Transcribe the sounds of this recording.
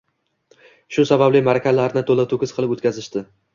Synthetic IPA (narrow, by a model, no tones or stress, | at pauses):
ʃʊsabablɪmaɾakʲʰalaɾnɪt̪ʰolat̪ʰʊkʲɪzqʰɨlˠɪpot̪̚kʲazɪʃt̪ɪ